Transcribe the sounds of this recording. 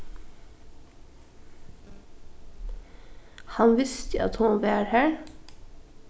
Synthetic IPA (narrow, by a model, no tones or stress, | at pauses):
hɑnʋɪst̪əɑ̰t̪hʊnʋæːɹhæːɹ